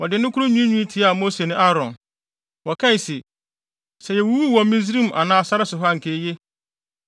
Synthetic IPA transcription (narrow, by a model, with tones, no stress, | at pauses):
wɔ˨dɪ˨nʊ̃˦kʰu˦ɾʊ˦ɲũ˦ɲũ˦tʰi˨a˨mo˦se˨nɪ̃˦ʔa˦ɾɔ̰̃˨n | wɔ˨kʰa˦i˨sɪ˨ | sɛ˨jɛ˨wu˦wu˦˨wɔ̃˨m˦ĩ˦zi˦ɾĩ˦˨m˨ʔa̰˨nãː˦a˨sa˦ɾɪ˦sʊ˨ɦɔ˦a˦˨ŋ̩˨kʰe˦je˦